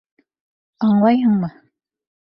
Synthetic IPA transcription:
ɑɴlˠɑjɤɴmɤ

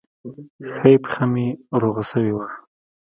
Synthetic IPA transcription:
xajpxamiɾoɣasəwiwa

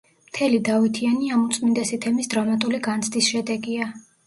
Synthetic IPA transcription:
mt̪ʰɛlid̪avit̪ʰianiamut̪sʼmind̪ɛsit̪ʰɛmisd̪ɾamat̪ʼuliɡant̪sʰd̪isʃɛd̪ɛɡia

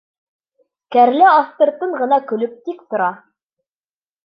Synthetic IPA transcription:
kæɾlɘɑθt̪ɤ̆ɾt̪ɤɴʁɤ̆nɑkɵ̆lɵp̚t̪ikt̪ŏɾɑ

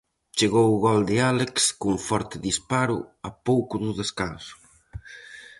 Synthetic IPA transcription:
t͡ʃeɣowɣɔld̪ealekskuŋfɔɾt̪ɪðispaɾʊ̰apowkʊðʊðeskansʊ̥

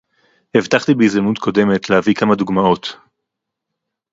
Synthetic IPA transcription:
hevt̪aχt̪ibeizamut̪kʰo̞de̞me̞tlehavikamaduɡmao̞t̪

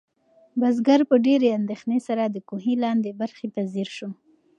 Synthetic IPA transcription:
bazɡaɾpəɖeɾeand̪exnesaɾad̪əkoɦilɑnd̪ebaɾxet̪azeɾʃu

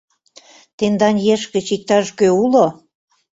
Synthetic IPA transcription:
t̪end̪ɑnjeʃkə̆t͡ɕik̚t̪ɑʃkøulo

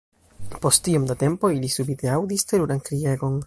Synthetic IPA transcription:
po̞stiomdate̞mpo̞ilisubite̞awdisteɾuɾankɾieɡo̞n

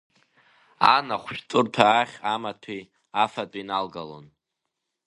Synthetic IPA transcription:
a̰naχʷʃᶣtʼʊrtʰaːχʲamatʰi | afatʼinalɡalo̰n

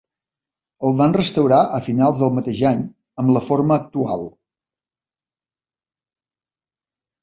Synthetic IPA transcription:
əlˠβanrəst̪əwɾaʔəfinalˠzðəlˠmət̪eʒaɲ | əmləfoɾməːk̚t̪ua̰lˠ

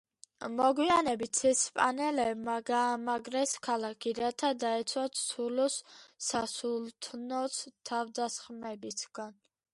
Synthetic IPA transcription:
mɔɡwianɛbit̪sʰɛspʼa̰nɛlɛbmaɡaːmaɡɾɛskʰalakʰiɾat̪ʰad̪aɛt̪sʰwat̪sʰulɔsːasult̪ʰnɔst̪ʰavd̪asχmɛbisɡ̥an

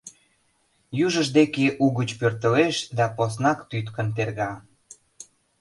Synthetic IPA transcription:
juʒəʃd̪ekeʔuɣət͡ɕpørt̪ə̆leʃd̪ɑposnɑkt̪yt̪kə̆nt̪erɣɑ

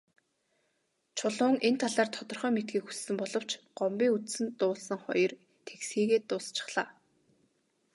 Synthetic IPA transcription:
t͡ɕʰʊɮʊːŋʔent̪ʰaɮaːrt̪ʰɔt̪ɞ̆rχœːmet̪ɡiːkxu̥ssɘ̆mpɔɮɞ̆w̥t͡ɕɢ̥ɔmpʲiːŋut͡s̪sɘ̆nt̪ʊːɮsə̆ŋχɔ̰jɞ̆r | t̪ʰeksxiːɣeːt̪ʊːst͡ɕɪ̥̆χɮaː

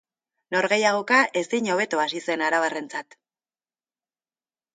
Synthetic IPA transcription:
no̞ɾɣe̞jaɣ̞o̞kaʔe̞zd̪iɲo̞β̞e̞t̪oasise̞naɾaβ̞are̞nt͡sat̪

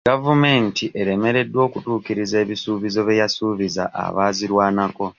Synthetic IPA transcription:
ɡavume̞ːntiʔe̞ɾe̞me̞ɾe̞dwo̞ːkutuːkiɾize̞ːβisuːβizo̞βe̞jasuːβiza̰ʔa̰βaːziɾwaːnako̞

